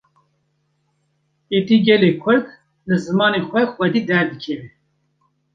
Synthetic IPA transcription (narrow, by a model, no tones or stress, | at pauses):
et̪iːɡɛleːkʷʰʊɾd̪ | lɨzɨmɑːnexʷɛxʷɛd̪iːd̪ɛɾd̪ɨkʰɛvɛ